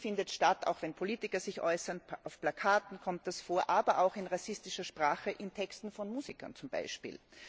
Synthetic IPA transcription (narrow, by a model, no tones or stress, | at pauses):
fɪndətʃtata̰ʊxvɛnpʰoliːtɪkɐzɪçʔɔʏsɐnʔaʊfplakʰaːtn̩kʰɔmtdɛsfoːɐʔaːbɐʔaʊxɪnʁasɪstɪʃɐʃpʁ̥aːxəʔɪntʰɛkstn̩fɔnmuːzikɐ̰nt͡sʊmba̰ɪʃpḭːl